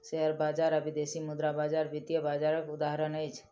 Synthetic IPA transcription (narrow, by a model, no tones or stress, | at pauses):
ʃeɦəɾbaːd͡ʒaɾabid̪esimʊd̪ɾabaːd͡ʒaɾbit̪jəbaːd͡ʒaɾəkʊd̪aɦɾənəjt͡ʃʰ